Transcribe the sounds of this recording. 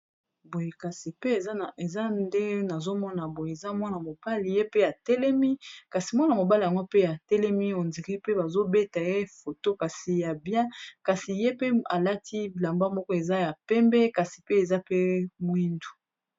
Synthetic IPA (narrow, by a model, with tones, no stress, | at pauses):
bo˨je˨ka˨si˨pe˦e˨za˦˨e˨za˦nde˦na˨zo˦mɔ˦na˨bo˨je˨e˨za˦mɔ˦na˨mo˨b̥a˦li˨je˦pe˦a˨tɛ˦lɛ˦mi˦ka˨si˨mwɔ˦na˨mo˨ba˦li˨a˨ŋɡo˦pe˦ja˨tɛ˦lɛ˦mi˦o˨nzi˨ʁi˦pe˦ba˨zo˦be˦ta˨je˦fo˨to˦ka˨si˨ja˨bjɛ̃˦ka˨si˨je˦pe˦a˨la˦tʰi˦˨la˨mba˦mɔ˦kɔ˦e˨za˦ja˨pɛ˦mbɛ˦ka˨si̥˨pe˦e˨za˦pe˦mwi˦ndu˨